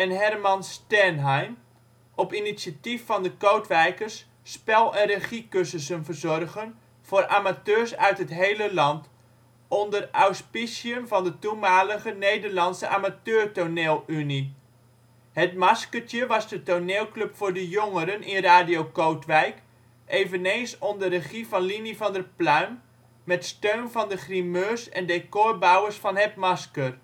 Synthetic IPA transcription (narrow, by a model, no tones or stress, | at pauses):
ɛnɦɛrmɑnstɛnɦɛjm | ʔɔpinisjatifːɑndəkowtʋɛjkərsː | pɛlˠɛnreχikøsəsənvərzɔrɣən | v̥ʊːɾʔaːmatøːɹsœɥtɦətɦejləlɑnt | ɔndərawspisiəmvɑndətumaːləɣənejdərlɑntsəʔaːmatøːrtoneːlˠyni | hətmɑskərtjəʋɑzdətoneːlˠkløpfʊːɹdəjoŋəɾənʔɪnraːdijowkowtʋɛjk | ʔejvənejnsondəɾəχivɑnlinivɑndəplœɥmː | ɛtstøɥnvɑndəχrimøsɛ̰ndekʊɹbawəɹsfɑnɦɛtmɑskər